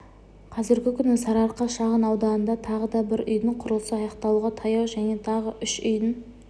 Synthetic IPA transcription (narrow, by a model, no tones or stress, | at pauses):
qʰɑzɪɾɡʲɪkʲʰʏnɪsɑɾɑɾqɑʃɑʁənɑwd̪ɑnənd̪ɑt̪ʰɑʁəd̪ɑbɪɾʏ̰jd̪ɪɴqʰʊɾəlˠsəɑjɑqt̪ɑlˠuʁɑt̪ʰɑjɑwʒæne̞t̪ʰɑʁəʔʏʃʏj̪ɪŋ